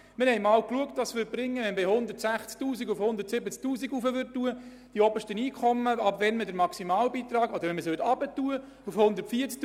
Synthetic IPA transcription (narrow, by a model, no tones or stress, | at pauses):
mɪhɛɪmɑːwkluəktʋɑsʋʏt̚b̥ɾɪŋːəʋɛnbɪhʊnd̪əɾtsæχt͡sk̚tuːsiɡufhʊnd̪əɾtsɪbət͡sk̚tuːsiɡufəʋʏttːuə | d̥iɔbəʃtəniːkʰχɔmːəɑbʋɛnmədəɾmɑksimɑːlbiːt̪ɾɑːɡɔd̥̪əɾʋɛnməsøltɑbətuə | ufhʊnd̪ətfiːət͡skt